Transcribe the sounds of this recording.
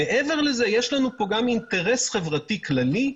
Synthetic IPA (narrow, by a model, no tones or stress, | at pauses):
eʔeve̞ʁle̞zejeʃlanupo̞ɡamint̪eʁesχe̞vʁatiklali